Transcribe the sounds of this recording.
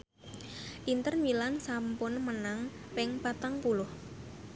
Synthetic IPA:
ʔint̪ərnwilansampʊnmənaŋ | pɪŋpat̪aŋpulʊh

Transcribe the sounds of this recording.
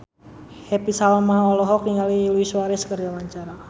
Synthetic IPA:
hɛpisaɔlmaɦaɔlɔɦɔk̚niŋaliluiswaɾɛskərd͡ʒawaɲt͡ʃaɾa

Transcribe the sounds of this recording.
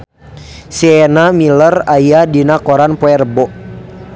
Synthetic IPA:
siɛnamilərajadinakɔɾanpoɛrbɔ

